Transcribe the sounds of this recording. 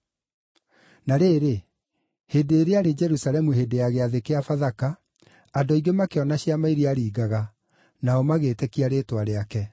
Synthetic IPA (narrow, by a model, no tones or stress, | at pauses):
naɾeːɾe | hedeːɾeaɾed͡ʒɛɾusalɛmuɦeːdejaɣeaðekeafaðakaː | doiɡemakeɔnaɕiamaiɾeaɾiːɡaɣa | naɔmaɣetɛkiaɾeːtwaɾeakɛ